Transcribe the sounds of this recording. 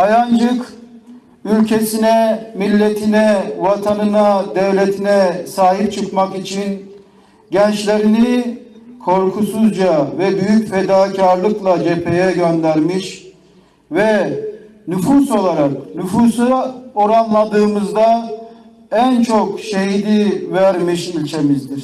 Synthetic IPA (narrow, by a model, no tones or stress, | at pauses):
ajand͡ʒɯk | ylʲcʰesinɛmilʲːet̪ʰinɛvat̪ʰanɯnad̪ɛvlʲet̪ʰinɛsaːhip̚t͡ʃʰɯkmakit͡ʃʰin | ɟɛnt͡ʃlʲe̞ɾini | kʰo̞ɾkʰusuzd͡ʒavɛbyjycfed̪aːcʰaɾlˠɯklˠad͡ʒepʰe̞jɛɟønd̪æɾmiʃ | vɛ | nyfuso̞lˠaɾak̚nyfusɯo̞ɾanlˠad̪ɯːmɯzd̪a | ænt͡ʃʰokʃeɦid̪ivæɾmiʃilʲt͡ʃʰe̞mizd̪iɾ̥